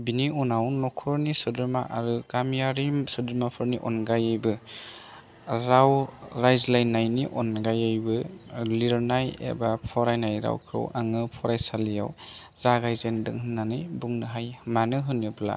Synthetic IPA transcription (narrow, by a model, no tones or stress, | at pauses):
biniɔnawnɔkʰɔɾnisɯdɯɾmaʔaɾɯɡamijaɾisɯdɯɾmapʰɯɾniʔɔnɡajɯjbɯ | ɾawɾajzlajnːajniʔɔnɡajɯjbɯliɾnajḛbapʰɔɾajnajɾa̰wkʰɯ̰wa̰ŋɯpʰɔɾajsalija̰w | z̥aɡajzendɯ̰ŋhɯnːanɯjbuŋnɯɦajmanɯɦɯnɯbla̰